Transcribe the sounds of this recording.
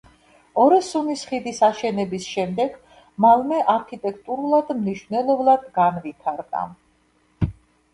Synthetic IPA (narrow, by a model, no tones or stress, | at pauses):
ɔɾisumisχid̪isaʃɛnɛbisʃɛmd̪ɛɡ | malˠmɛʔaɾkʰit̪ʼɛkʰt̪ʼuɾulˠad̪mniʃwvnɛlˠɔblˠad̪ɡanvit̪ʰaɾd̪ʼa̰